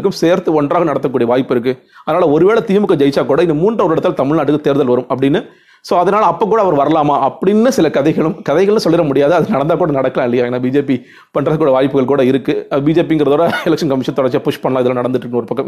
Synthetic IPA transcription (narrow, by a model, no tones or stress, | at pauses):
kːɯmseːɾt̪ɯɔɳdraːɣɐnɐɽɐt̪ːɐkːuːɽijɐʋaːjɪpːɪɾɯk̬ːɯ | ɐðɐnaːlɐɔɾɯʋeːɭɐt̪iːmɯkːɐd͡ʒɐɪt͡ʃːaːkuːɽɐɪnːɐmuːndrɐɔɾɪɽɐt̪ːlɐt̪ɐmɪɭnaːʈːɯkːɯt̪eːɾðɐlʋɐɾɯmɐpːɐɽɪnːɯ | soːɐðɐnaːlɐːpːoːk̬ːuːɽɐːʋɐɾʋɐɾɐlaːmaːʔɐpːɐɽɪnːɯsɪlɐkɐðɐɪɣɐɭɯmkɐðɐɪɣɐɭnɯsɔlːɪɾɐmʊɽɪjaːðɯɐðɯnɐɽɐnd̪aːkuːɽɐnɐɽɐkːɐlãːɪlːɐjaːeːnːaːbiːd͡ʒeːpi | pɐɳɖɾaːɐkːuːɽijɐʋaːjpːɯɣɐɭkuːɽɐɪɾɯkːɯbiːd͡ʒeːp̬iɪŋɡɪɾɐðoːɽɐɛlɐkʂɐnkɐmɪʂɐnt̪ɔɽɐɾt͡ʃɯapʊʂpɐɳːɐlãːɪðɯlãːnɐɽɐnd̪ɯʈːɾɯkːnɔɾɯpɐkːɐm